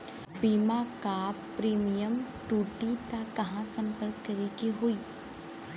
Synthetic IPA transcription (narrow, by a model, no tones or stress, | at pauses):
biːmakaː | ɾiːmijəm | ʈuːʈit̪akɐɦãsɐ̃mpəɾkːɐɾikiɦʊiː